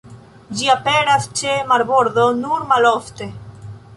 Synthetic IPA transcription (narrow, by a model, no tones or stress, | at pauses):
d͡ʒiape̞ɾast͡ʃe̞maɾbo̞ɾdo̞nuɾmalofte̞